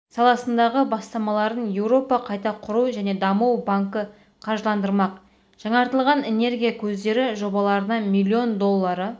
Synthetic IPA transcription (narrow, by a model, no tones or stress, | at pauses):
sɑlˠɑsənd̪ɑʁəbɑst̪ɑmɑlˠɑɾənje̞wɾo̞pɑqʰɑjt̪ɑqʰʊɾuwʒæne̞d̪ɑmuwbaŋkə | qʰɑɾʒəlˠɑnd̪əɾmɑq | ʒ̥ɑɴɑɾt̪əlˠʁɑne̞ne̞ɾɡʲijakʲʰɵzd̪e̞ɾɪʒo̞bɑlˠɑɾənɑmilʲːio̞nd̪o̞lˠːɑɾə